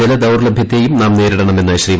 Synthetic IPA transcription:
ilɐd̪ɐwrlɐbʱjɐt̪ːeːjumnaːmneːɾiɽɐɳɐme̞nːɐɕriːm

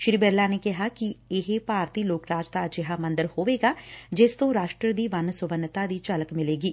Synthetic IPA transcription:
ʃɾibɛːɾlaːneːkɪɦaːkiɪɦepaːɾt̪iːloːkɾaːd͡ʒt̪aːd͡ʒɪɦaːmə̃nd̪əɾhoːʋeːɡaːd͡ʒɪst̪õːɾaːʃʈɾəd̪iːʋənsʊʋənːt̪aːd̪iːt͡ʃələkmɪleːɡiː

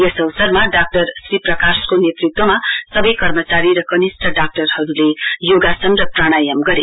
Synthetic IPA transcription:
jesʌwʌsʌrmaɖak̚ʈʌrsriprʌkaskonet̪rit̪̚wʌmasʌbʌjkʌrmʌt͡saɾiɾʌkʌnisʈʰʌɖak̚ʈʌrhʌɾulejoɡasʌnrʌpraɽ̃ajʌmɡʌɾe

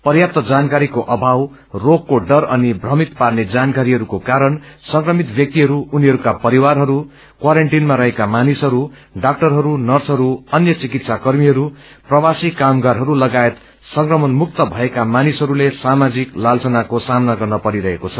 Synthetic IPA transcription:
pʌrjap̚t̪ʌd͡zankaɾikoʔʌbʱaw | rokkːoɖʌrʌnibʱrʌmit̪parned͡zankaɾiɦʌɾukokaɾʌnsʌŋkrʌmit̪bjʌk̚t̪iɦʌɾuuniɦʌɾukapʌɾiwarɦʌɾu | kwaɾeɳʈinmaɾʌɦekamanisɦʌɾu | ɖak̚ʈʌrɦʌɾunʌrsɦʌɾuʌnjʌt͡sikit̪sakʌrmiɦʌɾu | prʌwasikamɡaɾɦʌɾulʌɡaet̪ | sʌŋkrʌmʌnmuk̚t̪ʌbʱʌekamanisɦʌɾulesamad͡ziklalt͡sʌnakosamnaɡʌrnʌpʌɾiɾʌɦekot͡sʰʌ̥

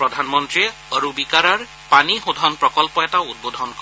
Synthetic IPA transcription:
pɾɔd̪ʱanmɔnt̪ɾieəɾubikaɾaɹ | paniɦud̪ʱɔnpɾɔkɔlpɔetaud̪̚bod̪ʱɔnkɔ

